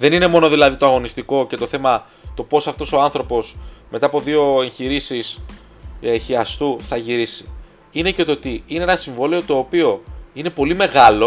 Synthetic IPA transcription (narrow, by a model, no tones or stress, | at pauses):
ðe̞nine̞mo̞no̞ðilɐðit̪o̞ɐɣo̞nist̪iko̞ce̞t̪o̞θe̞mɐ | t̪o̞po̞sɐft̪o̞so̞anθɾo̞po̞sme̞t̪ɐːpo̞ðio̞e̞ɲçiɾisis | eçiɐst̪uθɐʝiɾisi̥ | ine̞ce̞t̪ot̪iineenɐsiɱvo̞leot̪o̞ːpio̞ine̞po̞lime̞ɣɐlo̞